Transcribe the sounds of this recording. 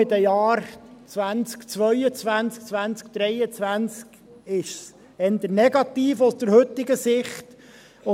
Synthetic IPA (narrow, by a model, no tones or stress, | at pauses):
ɪt̪əjɑːɾt͡sʋænt͡skt͡sʋœʏət͡sʋænt͡sk̚t͡sʋænt͡sk̚d̪̥ɾɛjət͡sʋænt͡sk | ɪʃs | ɛnd̪əɾnɛɡɑt̪iːfɔsd̥̪əɾhɵt̪ːɪɡəsɪχt | ʊ